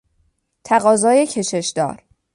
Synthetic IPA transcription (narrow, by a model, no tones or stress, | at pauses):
t̪ʰæɣɒːzɒːjecʰe̞ʃe̞ʃd̪ɒ̰ːɾ